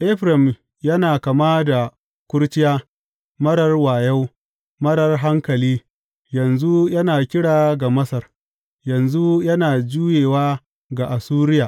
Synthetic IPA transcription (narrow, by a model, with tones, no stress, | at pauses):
ʔɛ˦ɸɾɐ˨m | jɐ˦naː˨kɐ˨maː˦da˨ | kʷʊ˦ɽt͡ʃɪ˦jaː˦ | mɐ˦ɽɐ˨rwaː˨jɐ˦w | mɐ˦ɽɐ˨rɦa˦ŋkɐ˨liː˦ | jɐ˨nzu˦jɐ˦naː˨kʲɪ˦ɽaː˨ɡa˨mɐ˦sɐ˨r | jɐ˨nzu˦jɐ˦naː˨d͡ʒuː˦jeː˨waː˦ | ɡa˨ʔa˨suː˦ɾɪ˦jaː˨